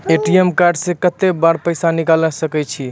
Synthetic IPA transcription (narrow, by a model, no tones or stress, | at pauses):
eʈiemkaɾɖsẽkət̪ebaɾpəjsanikaləsəkɛt͡ʃʰi